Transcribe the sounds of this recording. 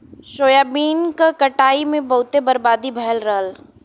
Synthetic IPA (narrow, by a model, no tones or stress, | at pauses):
ʃoːjaːbiːnkakɐʈaːimẽbɐɦʊt̪ebəɾbaːd̪ibʱɛɦəlɾəəl